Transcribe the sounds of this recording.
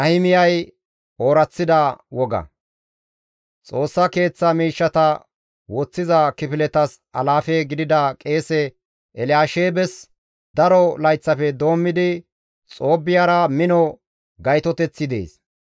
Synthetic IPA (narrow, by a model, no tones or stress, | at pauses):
ʔɐhɪmɪjɐj | o̞ːɾɐt͡sːɪd̪ɐwɔɡɐ̰ | t͡sʼo̞ːsːɐke̞ːt͡sːɐmiːʃːɐt̪ɐ | wɔt͡sːɪzɐkɪpɪlɛt̪ɐs | ɐlaːfeːɡɪd̪ɪd̪ɐkʼe̞ːsɛ | ʔɛlɪjaːʃeːbɛs | d̪̥ɐɾɔlɐjt͡sːɐfɛd̪o̞ːmːɪd̪ɪ | t͡sʼo̞ːbːɪjaːɾɐmɪnɔ | ɡɐjt̪ɔt̪ɛt͡sːɪd̪ḛːs